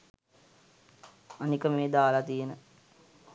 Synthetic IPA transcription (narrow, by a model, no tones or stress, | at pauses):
anikəmeːd̪aːlat̪ijenə